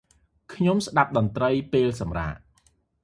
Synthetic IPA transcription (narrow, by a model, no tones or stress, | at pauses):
kʰɲomsɗap̚ɗɑnt̪rəjpeːlsɑmra̰ːʔ